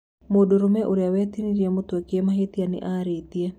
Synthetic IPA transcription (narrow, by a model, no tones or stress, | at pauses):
modoɾomɛʔoɾeawɛt̪iniɾiamot̪wekɪemaɦet̪ianɪ̰ʔaɾet̪ia